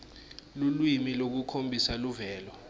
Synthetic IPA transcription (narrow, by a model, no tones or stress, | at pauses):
lulwimilok̬ukʰombʱisaluvɛːlɔ